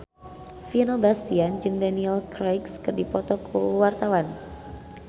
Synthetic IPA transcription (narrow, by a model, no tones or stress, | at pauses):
finobast̪iand͡ʒɨŋdaniɛlkɾajkskɨrdipɔt̪ɔkʰṵwart̪awan